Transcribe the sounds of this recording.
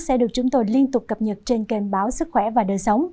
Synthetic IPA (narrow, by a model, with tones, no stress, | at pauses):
sɛ̰˧˥ɗɨ˨˩ək̚t͡ɕʊ˨˦ŋ͡mt̪o˧jli˧ənt̪ʊ˨˩k͡p̚kə˨˩p̚ɲə˨˩t̚t͡ɕe˧nke˨˩nɓaː˨˦wsɨ˦˥k̚xwɛ˧˩vaː˨˩ɗəː˨˩jsə˨˦wŋ͡m